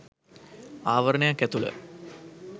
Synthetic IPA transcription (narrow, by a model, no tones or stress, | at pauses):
aːʋəɾənəjakːæt̪ulə̰